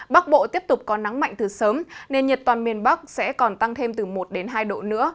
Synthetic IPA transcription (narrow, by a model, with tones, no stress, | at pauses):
ɓa˦˥k̚ɓo̰˧˨t̪i˦˥əp̚t̪ʊ˨˩k͡p̚kɔ˨˦na˨˦ŋma̰˧˨jŋ̟t̪ɨ˨˩səː˨˦mne˧nɲə˨˩t̚t̪waː˨˩nmi˨˩ənɓa˦˥k̚sɛ̰˧˥kɔ˨˩nt̪a˧ŋt̪ʰe˧mt̪ɨ˨˩mo˨˩t̚ɗe˨˦nɦaː˧jɗo̰˧˨nɨ̰˧˥ə